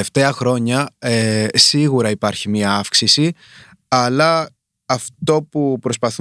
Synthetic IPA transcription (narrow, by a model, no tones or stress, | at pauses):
eft̪e̞ɐxɾo̞ɲɐesiɣuɾɐipɐɾçimɲɐɐfksisi | ɐlɐː | ft̪o̞pupɾo̞spɐθu